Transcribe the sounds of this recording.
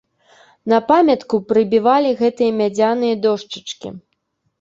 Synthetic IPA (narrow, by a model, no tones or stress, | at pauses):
nɐpamʲɐt̪kupɾɨbʲivalʲiɣɛt̪ɨjɐmʲad͡zʲanɨjɐd̪ɔʂt͡ʂɨ̥t͡ʂkʲḭ